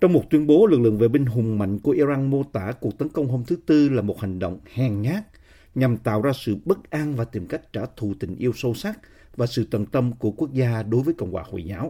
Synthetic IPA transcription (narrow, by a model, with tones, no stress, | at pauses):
t͡ɕɔ˧wŋ͡mmo˨˩t̚t̪wi˧ənɓo˨˦lɨ˨˩k̚lɨ̰˧˨əŋve˨˩ɓï˧ŋ̟ɦʊ˨˩ŋ͡mma̰˧˨jŋ̟ku˧˩əʔi˧za˧nmo˧t̪a̰ː˧˩ku˨˩ək̚t̪ə˨˦nkə˧wŋ͡mɦo˧mt̪ʰɨ˨˦t̪ɨ˧laː˨˩mo˨˩t̚ha˨˩ŋ̟ɗə̰˧˨wŋ͡mhɛ˨˩ŋɲaː˦˥k̚ | ɲa˨˩mt̪a̰ː˧˨wzaː˧sɨ̰˧˨ɓə˦˥k̚ʔa˧nvaː˨˩t̪i˨˩mka˦˥jk̟̚t͡ɕaː˧˩t̪ʰu˧˨t̪ï˧˩ŋ̟ʔi˧əwso˧sa˦˥k̚ | vaː˨˩sɨ̰˧˨t̪ə˨˩nt̪ə˧mku˧˩əku˦˥ək̚zaː˧ɗo˨˦jvəː˨˦jkə̰˧˨wŋ͡mwaː˧˩ho̰˧˨jzaː˨˦w